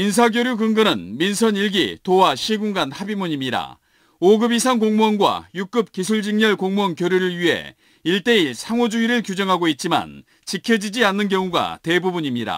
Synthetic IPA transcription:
ins̬ʰaɡjoɾjuɡɯŋɡɯnɯnminsʰʌɲiɭɡḭtowaɕʰiɡuŋɡanhabimuɲimɲiɾa̰ | oɡɯbisʰankoŋmuʌnɡwa̰juk͈ɯp̚kisʰuɭd͡ʑiŋɲʌɭkoŋmuʌŋkjoɾjuɾɯɭɥiɦe̞̰ | iɭt͈e̞iɭsʰaŋod͡ʑuiɾɯɭkjud͡ʑʌŋɦaɡoit̚t͡ɕ͈ima̰n | t͡ɕikʰjʌd͡ʑid͡ʑianːɯnkjʌŋuɡa̰te̞bubuɲimɲidɾa̰

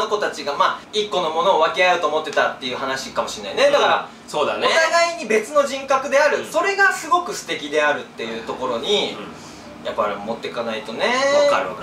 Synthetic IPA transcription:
oko̞t̪at͡ɕiɡamaːikːo̞no̞mo̞no̞ːβakeajoːt̪o̞ːmo̞t̪ːe̞t̪at̪ːe̞jɯ̟ːhanaɕikamo̞ɕinːaine̞dd̪akaɾa̰ | soːd̪anoet̪aɡaiɲ̟ibe̞t͡sɨno̞ʑĩŋkakɯ̟d̪e̞aɾɯ̟so̞ɾe̞ɡasɨɡo̞kɯ̟sɨ̥t̪e̞kʲid̪e̞aɾɯ̟t̪ːe̞jɯ̟ːt̪o̞ko̞ɾo̞ɲ̟i | japːaɾimo̞t̪ːe̞kanait̪o̞ne̞

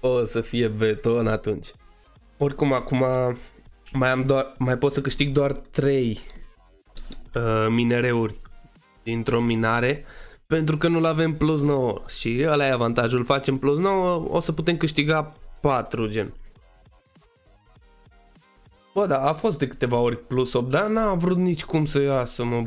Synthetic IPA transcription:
osəfije̞vet̪onat̪unt͡ʃʲ | o̞rʲkumakuma | majamd̪oarmajpo̞t̪səkɨʃt̪iɡ̚d̪oart̪ɾe̞j | əmine̞ɾe̞urʲ | d̪̥int̪ɾo̞minaɾe̞pe̞nt̪ɾukənulave̞mplus̬no̞wəʃiəlajavant̪aʒulfat͡ʃe̞mplus̬no̞wəo̞̰səput̪e̞mkɨʃt̪iɡapat̪ɾud͡ʒe̞̰n | bəd̪aːfo̞st̪̚d̪ekɨ̥t̪e̞vao̞ɾʲplusopd̪anavɾut̪nit͡ʃʲkumsəjasəmə

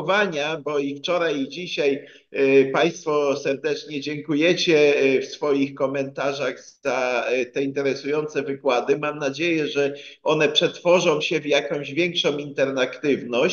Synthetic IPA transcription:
vaɲabɔift͡ʂɔɾajid͡ʑiɕaj | paj̃st̪fɔsɛɾd̪ɛt͡ʂɲɛd͡ʑɛŋkujɛt͡ɕɛfsfɔjixkɔmɛnt̪aʐaɣzz̥at̪ɛint̪ɛɾɛsujɔnt̪sɛvɘkwad̪ɘmamnad͡ʑejɛʐɛɔnɛpʂɛt̪fɔʐɔ̃w̃ɕɛvjakɔ̃w̃ʑvʲjɛŋkʂɔ̃w̃int̪ɛɾnakt̪ɘvnɔɕ

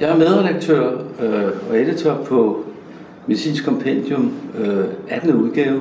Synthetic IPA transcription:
jɑ̈ɪæɐmeð̞ˠʁɛd̥ɑɡ̥̚t͡sʰøɐ̰ | ɒ̽ed̥ət͡sʰɒb̥̚pʰɒ̽ | me̝ðisḭːnskʰɒ̽mpʰend̥jom | æd̥nuð̞ˠɡ̥ɛːʊ

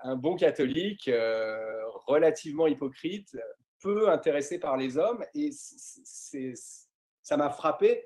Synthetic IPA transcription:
ɛ̃bɔ̃kat̪ɔlikø | ʁəlat̪ʰivmɑ̃ipɔkχit̪ | pøɛ̃t̪eʁesepaʁlezɔmesssɛ | samafχape

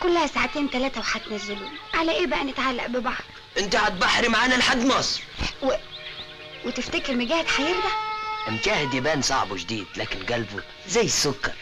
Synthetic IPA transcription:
kolːæhæsaʕat̪eːnt̪ælæːt̪æwħad̪næzːʊluːmʕalæʔeːbæʔænɪt̪ʕalːæʔbebɑħɾˤ | ʔɪnt̪æʕat̪̚baħɾimaʕaːnælħad̪ːmɑːsˤwe | wet̪eft̪ækeɾmeɡæːhed̪ħajiːɾd̪æʔɪmʃæːhed̪jæbæːnsˤɑ̰ʕbwd͡ʒd̪iːd̪̥læːkɪnɡælbu | zæjːsokːɑɾˤ

